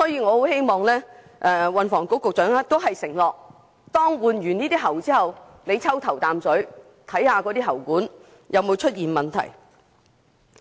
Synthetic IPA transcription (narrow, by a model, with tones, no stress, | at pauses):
sɔː˨˥jiː˨˧ŋɔː˨˧ho˨˥whe˥jmɔː˨˩ŋlɛː˥ | ʔɛː˧wɐ˨nfɔː˨˩ŋko˨˥wkʊ˨k̚t͡ʃœː˨˥ŋaː˥t̪o˥wɦɐ˨jsɪ˨˩ŋlɔː˨k̚ | t̪ɔː˥ŋwuː˨nɥyː˨˩niː˥t̪iː˥ɦɐ˨˩wt͡siː˥hɐ˨w | ne˨˧jt͡sʰɐ˥wt̪ʰɐ˨˩wt̪aː˨msɵ˨˥ɥ | t̪ʰɐ˨˥jhaː˨˧kɔː˨˧t̪iː˥ɦɐ˨˩wkuː˨˥n | jʔɐ˨˧wmo˨˧wt͡ʃʰɵ˥t̚jiː˨nmɐ˨nt̪ʰɐ̰˨˩j